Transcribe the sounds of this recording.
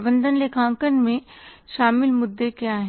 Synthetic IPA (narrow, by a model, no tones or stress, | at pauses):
bə̃nd̪ʱənlekʰãːŋkənmẽʃaːmɪlmʊd̪ːekjaːɦɛ̃